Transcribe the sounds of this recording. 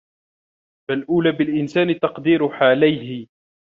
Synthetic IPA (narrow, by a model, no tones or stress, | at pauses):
falʔuːlaːbɪlʔɪnsaːnɪt̪ɑqd̪iːɾʊħaːlajɦɪ